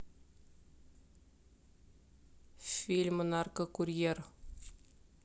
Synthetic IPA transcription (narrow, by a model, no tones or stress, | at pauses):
fʲilʲmənarkəkurʲjer